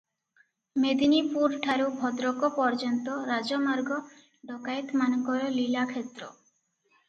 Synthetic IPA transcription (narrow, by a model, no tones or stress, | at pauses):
med̪inipuɾʈʰaɾubʱɔd̪ɾokopɔɾd͡ʑɔnt̪oɾad͡ʑomaɾɡo | ɖɔkajt̪mankɔjolilakʰet̪ːɾo